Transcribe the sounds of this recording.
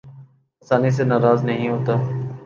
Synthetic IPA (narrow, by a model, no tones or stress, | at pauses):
ɐsaːnis̬enaːɾaːznəɦĩɦoːt̪aː